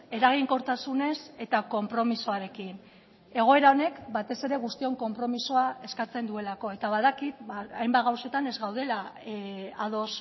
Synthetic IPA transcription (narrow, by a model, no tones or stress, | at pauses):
e̞ɾaɣ̞iŋko̞ɾt̪asune̞se̞t̪ako̞mpɾo̞miso̞aɾe̞kin | e̞ɣ̞o̞e̞ɾao̞ne̞kbat̪e̞se̞ɾe̞ɣ̞ust̪io̞ŋko̞mpɾo̞misoae̞skat͡se̞nd̪ue̞lako̞e̞t̪aβaðakit̪aajmbat̪ɣawse̞t̪ane̞zɣawðe̞la | aðo̞s